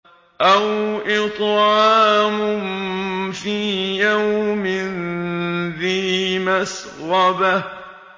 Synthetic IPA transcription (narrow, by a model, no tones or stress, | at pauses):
ʔawʔɪt̪ˤʕɑaːmʊmfiːjawmɪn | ðiːmas | ɾɑba